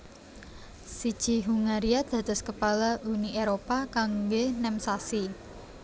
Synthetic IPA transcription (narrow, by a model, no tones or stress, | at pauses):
sid̥ʒ̥i̤ɦuŋaɾiad̪̥ä̤d̪̥ɔ̤skəpalaʔuniʔeɾopakaŋɡenɛmsasi